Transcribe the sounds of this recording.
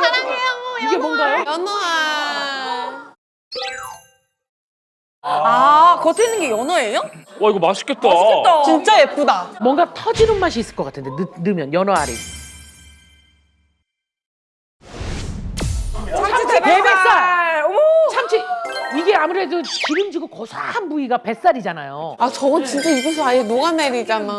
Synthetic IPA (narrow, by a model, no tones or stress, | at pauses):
aɾŋeaŋiɡe̞mwʌŋɡajʌnʌa | akʌtʰenːɯnɡejʌnʌejoaiɡomaɕʰi̥k͈ːet̚t͈aɕit͈at͡ɕint͡ɕ͈ajep̚p͈udamwʌŋɡatʰʌd͡ʑinɯnmaɕ̬ʰiːs͈ɯɭk͈ʌk͈atʰɯnde̞nɯnɯmjʌnjʌnʌaɾḭ | t͡ɕʰat͡ɕienik͈a | t͡ɕʰamt͡ɕʰiiɡe̞amuɾe̞dukiɾɯmd͡ʑiɡokʌsʰaanbuiɡape̞s͈aɾid͡ʑanajo̰at͡ɕʌɡʌnt͡ɕint͡ɕ͈aiɡʌs̬ʰʌajenoɡaneɾid͡ʑana